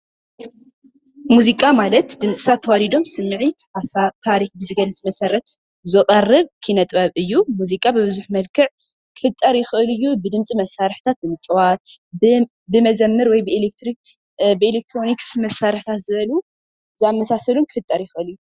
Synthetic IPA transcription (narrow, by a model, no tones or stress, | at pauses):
muzikʼamalɐt̪d̪ɨmt͡sʼɨ̥sʰat̪ʰːɐwadid̪o̞msɨmːɨʕit̪ʰt̪ʰːaɾikbɨzɨɡɐlːɨt͡s̪ʼmɐsɐɾɐt̪ | zɨqʼɐrːɨβkʰɨnɐt̪ʼbɐβɨjːumuzikʼabɨbɨzuħmɐlkʰɨʕ | kʰːɨ̥fɨt̪ʼːɐɾjɪxɨʔɨlɨjːubɨd̪ɨmt͡sʼimɐsːaɾɨħt̪ʰat̪̚bɨmɨt͡sʼɨwat̪̚ | bɨmɐzɐmːɨɾwɔjbɨelek̚t̪ɾik | bɨelek̚t̪ʰɾo̞niksmɐsːaɾɨħt̪ʰat̪zɨβɐlu | zɨamːɐsasɐlumkʰɨ̥fɨt̪ʼːɐɾjɪxʔɨlɨjːu